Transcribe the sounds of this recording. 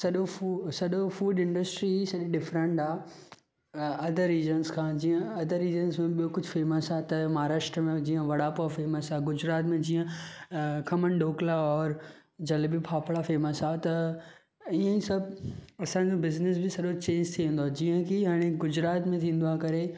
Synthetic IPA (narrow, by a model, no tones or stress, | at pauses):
sɐɗousɐɗofuːɖɪ̃ɳɖəsʈɾisɐʄiɖɪfɾə̃ɳʈaː | ɐd̪ʱəɾiːzənskʰãːd͡ʑiːə̃ɐd̪ʱəɾiːzənsmẽɓijokʊd͡ʑʱfeːməsat̪ɐmaaːɾaːʃʈɾəmẽd͡ʑiːə̃ʋɐɽaːpuafeːməsaːɡʊd͡ʑɾaːt̪mẽd͡ʑiːə̃ | kʰɐmənɖoːklaɔːɾ | d͡ʑɐlbipʰaːpʰɭafeːməsat̪ɐ | iə̃ĩsɐbʱɐsãd͡ʑobɪznɪs̬bɪsɐɗot͡ɕẽːɲd͡ʑt̪ʰiʋẽːn̆d̪oaːd͡ʑiːə̃kʰiɦaːɽ̃eɡʊd͡ʑɾaːt̪mẽt̪ʰĩːn̆d̪aːkɐɾe